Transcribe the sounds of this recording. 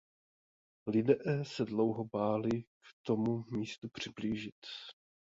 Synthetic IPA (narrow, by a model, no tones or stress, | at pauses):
lɪdɛʔɛːsɛdlo̞wɦobaːlɪkt̪o̞mumiːst̪upr̝̥ɪbliːʒɪt̪